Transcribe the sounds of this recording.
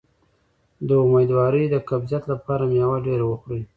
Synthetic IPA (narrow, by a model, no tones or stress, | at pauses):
d̪əumejd̪wɑɾəjd̪əkabzijat̪lapɑɾamejawaɖeɾawəxɽə